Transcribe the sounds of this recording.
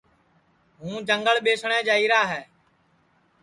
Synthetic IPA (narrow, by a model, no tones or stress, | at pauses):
ɦũːd͡ʒəŋɡəɭɓeːsɳɛ̃ːd͡ʒaːiːɾaːɦɛː